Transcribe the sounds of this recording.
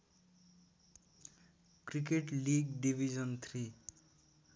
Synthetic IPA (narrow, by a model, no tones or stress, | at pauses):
krik̬eʈliɡɖibʱid͡zʌnt̪ʰri